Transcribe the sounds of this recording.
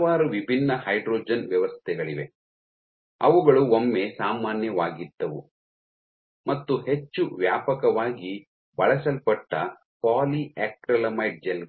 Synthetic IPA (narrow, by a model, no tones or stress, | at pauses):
aːɾuʋibʱinːɐhɐjɖɾoːd͡ʒɐnʋjɐʋɐst̪ʰɛɡɐɭiʋe̞̰ | ɐ̰ʋuɡɐɭuomːesaːmaːnjɐʋaːɡid̪ːɐʋṵ | mɐt̪ːuhe̞t͡ʃːuʋjaːpɐkɐʋaːɡi | bɐɭɐsɐlpɐʈːɐ | paːliɛːk̚ʈɾɐlɐmɐjʈ̚d͡ʒel